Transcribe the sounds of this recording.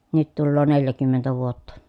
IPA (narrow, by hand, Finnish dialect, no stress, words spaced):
nyt tulːoː neljækymːentæ ʋuotːɑ